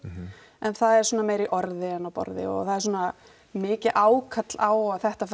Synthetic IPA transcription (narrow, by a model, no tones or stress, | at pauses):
ɛnθaðɛɾ̥suːnameːjɾiʔɔɾðɪɛnawpɔ̰ɾðɪ̰ɔ̰ɣθaðɛɾs̬wɔːna | mɪːcɪʔaːwkʰat̪laːwaθɛht̪af